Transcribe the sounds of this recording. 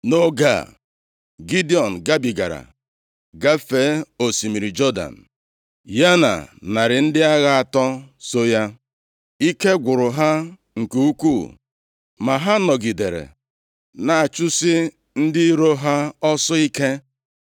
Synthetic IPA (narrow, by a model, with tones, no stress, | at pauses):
no˦ɡa̰˦˨ | ɡi˦di˨ɔ˨n̩˨ɡa˦bi˨ɡa̰˨ɾa̰˨ | ɡa˦fe˨˦o˨si˨mi˨ɾi˨d͡ʒɔ˦da̰˨n̩˨ | ja˦na̰˨na˨ɾɪ˨n̩˦dɪ˦a˦ɣa˦a˨tɔ˦so˦ja˦ | i˦ke˦ɡʷʊ˨ɾʊ˨ɦa˦ | ŋ̩˨ku˦u˦kʷu˦˨ | ma˨ɦa˦nɔ˨ɡi˨de˨ɾḛ˨ | na˨a˨t͡ʃʊ˦sɪ˦ | n̩˦dɪ˦i˦ɾo˦ɦa˦ɔ˦sɔ˦i˦ke˦